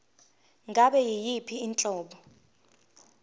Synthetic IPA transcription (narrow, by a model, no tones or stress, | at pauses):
ŋʱaɓɛjijipʰiːnt͡ɬʼɔːɓɔ